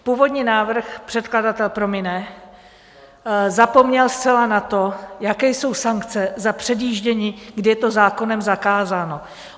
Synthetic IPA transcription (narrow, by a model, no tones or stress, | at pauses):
puːvo̞dɲiːnaːvr̩xpr̥ɛt̪̚kladat̪ɛlpɾo̞mɪnɛ | zapo̞mɲɛlst̪t͡sɛlanat̪o̞jakɛjso̞wsaŋkt͡sɛzapr̥ɛdjiːʒɟɛɲiːɡdɪjɛt̪o̞zaːko̞nɛmzakaːzaːno̞